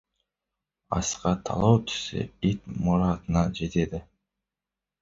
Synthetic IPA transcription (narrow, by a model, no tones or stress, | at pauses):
ɑ̰sqɑt̪ʰɑ̰lˠowt̪ʰy̥sy̰it̪muɾɑt̪ɯnɑd͡ʒet̪ed̪ɪ